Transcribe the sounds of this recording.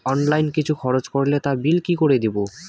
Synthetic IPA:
ɔnlajnkit͡ɕʰukʰɔɾot͡ɕkoɾlet̪abilkikoɾed̪ibo

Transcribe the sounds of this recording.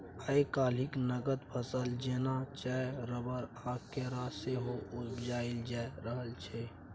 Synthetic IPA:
əekaːl̤ɪknəɡət̪pʰəsəld͡ʒeːnat͡ʃaeɾəbəɾ | aːkkːeɾaseɦoʊsd͡ʒaːɪld͡ʒaɾəɦəlt͡ʃʰɛ

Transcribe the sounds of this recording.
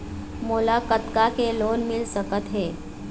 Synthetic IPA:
mulakət̪kakelonmilsəkət̪ɦe

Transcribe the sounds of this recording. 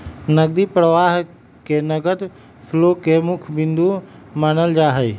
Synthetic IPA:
nəɡ̚d̪ipɾəʋaːɦ | kenəɡəd̪ | sʰloːkemʊkʰbɪ̃nd̪umaːnəld͡ʒaːɦej

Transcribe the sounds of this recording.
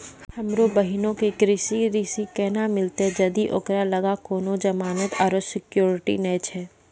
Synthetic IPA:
hɐmɾobəɦɪnõkekɾɪsiɾɪsikɛɦnamɪlt̪ed͡ʒɐd̪iʔo̰kɾalɐɡakoːnõd͡ʒɐmaːnət̪aːɾosɪkjoːɾɪʈḭnɛːt͡ʃʰɛː

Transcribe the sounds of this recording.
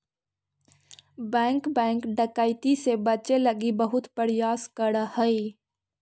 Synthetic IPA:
bɛ̃ːŋkbɛ̃ːŋkɖəkaːɪt̪isebət͡ʃeləɡibəɦʊt̪pəɾɪjaːskəɽhəi

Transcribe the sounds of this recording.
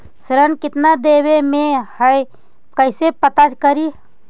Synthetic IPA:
sɾənkɪt̪nad̪eːwemẽhəj | kəɪsepət̪at͡ʃkəɾiː

